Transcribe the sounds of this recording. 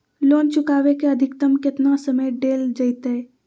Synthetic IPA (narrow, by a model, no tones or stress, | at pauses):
loːnt͡ʃʊkaːʋekeɐd̪ʱɪkt̪əmkɪt̪nasəməjɖeːld͡ʒəjt̪ɦɛ